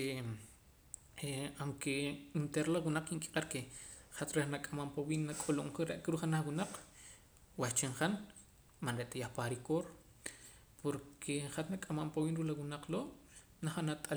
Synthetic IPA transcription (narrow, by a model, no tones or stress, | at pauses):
eaŋkeint̪eɾlawunaq͡χiŋkʼi̥qʼaɾkeχat̪ɾeχnakʼamampawiːnːakʼoloχiɾeʔkɾuχanaχwunaq͡χ | wat͡ʃeɴχan | manɾeʔt̪ajaχpaɾikoɾ | pʰoɾkʰeχat̪nakʼamampawiːnɾulawunaq͡χloːʔ | naχanat̪ʼa